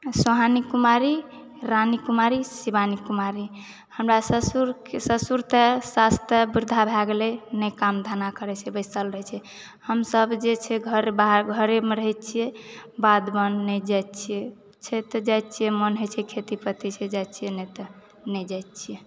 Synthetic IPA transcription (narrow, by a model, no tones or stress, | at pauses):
soɦanikumaɾi | ɾanikumaɾisibanikumaɾi | həmɾasəsuɾsəsuɾt̪esast̪ʰəbuɾd̪ʱabʱaɡlenɛjkamd̪ʱanakəɾɛt͡ʃʰɛbəɪsəlɾəɦɛt͡ʃʰɛ | həmsəbd͡ʒet͡ʃʰɛɡʱəɾebaɦɾɡʱəɾemeɾəɦɛt̚t͡ʃʰijɛbad̪bənːɛd͡ʒat̪t͡ʃʰije | t͡ʃʰɛt̪ɔd͡ʒajt̪̚ːt͡ʃʰijɛmənɦot͡ʃʰɛkʰet̪ipət̪it͡ʃʰɛd͡ʒat̪t͡ʃʰijɛnɛt̪ɔ | nɛd͡ʒajt̪t͡ʃʰije